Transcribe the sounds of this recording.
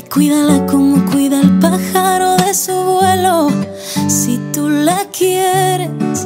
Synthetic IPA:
kwiðalako̞mo̞kwiðaelpaxaɾo̞ðe̞suβwe̞lo | sit̪ulakjeɾes

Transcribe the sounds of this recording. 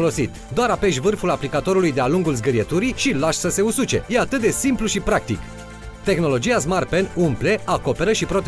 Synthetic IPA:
olo̞sit̪ | d̪oaɾapeʃvɨrfulaplikat̪o̞ɾulujd̪e̞aluŋɡulzɡəɾijet̪uɾiʃilaʃsəse̞usut͡ʃe̞̰je̞at̪ɨt̪̚d̪e̞simpluʃipɾak̚t̪ḭk | t̪e̞xno̞lo̞d͡ʒijas̬marpenumple̞ako̞pe̞ɾəʃipɾo̞t̪

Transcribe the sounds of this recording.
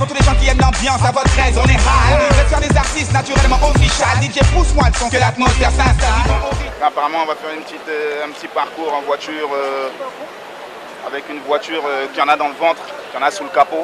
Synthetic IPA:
puʁt̪uleʒɑ̃kʲiɛnd̪ɑ̃bjɑ̃savɔt̪χɛzɔ̃nɛʁavɛfɛʁd̪ezaʁt̪ist̪nat̪yʁɛlmɑ̃bɔ̃tʁiʃad̪iʒepuswɛ̃d̪əsɔ̃kølat̪mɔt̪ɛsɛ̃ãapaʁamɑ̃ɔ̃vafɛʁynpət̪it̪øɛ̃pət̪ipaʁkuʁɛ̃nvwat̪yʁø | a̰vɛkynvwat̪yːʁøkʲijɑ̃nad̪ɑ̃ləvɑ̃t̪χ | kʲijɑ̃nasuləkapo

